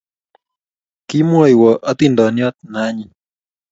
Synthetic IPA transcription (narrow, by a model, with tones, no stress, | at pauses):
ki˦mwɔ˨jwɔ˨ʔa˦t̪indɔ˨njɔ˦t̪̚na˦ɲi˨